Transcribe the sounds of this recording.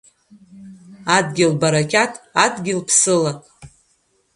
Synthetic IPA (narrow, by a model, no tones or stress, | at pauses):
adɡʲɪlbaɾakʲatʰʼadɡʲɪlpʰsɨlakʼ